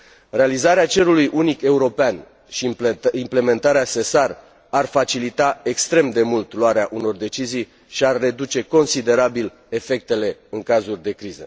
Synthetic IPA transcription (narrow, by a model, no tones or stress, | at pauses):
realizaɾeat͡ʃe̞ɾulujʔunike̞uɾo̞pean | ʃiimple̞me̞nt̪aɾease̞sar | arfat͡ʃilit̪ae̞kst̪ɾe̞md̪e̞mult̪loaɾeaʔuno̞rd̪e̞t͡ʃizij | ʃiarːe̞d̪ut͡ʃe̞ko̞nsid̪e̞ɾabil | e̞fe̞k̚t̪e̞le̞ɨŋkazurʲd̪e̞kɾizə̰